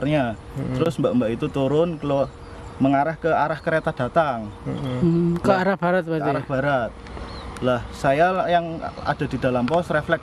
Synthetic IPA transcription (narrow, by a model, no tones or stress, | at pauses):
rɲa | t̪əɾʊsmbaʔmbaʔit̪ut̪uɾʊnkalo | məŋaɾahkəaɾahkəɾet̪ad̥a̤t̪aŋ | kəaɾahb̥aɾat̪̚bat̪ɾahb̥aɾat̪̚lahsajajaŋa̰d̥a̤di̤d̥a̤lampɔsreflɛk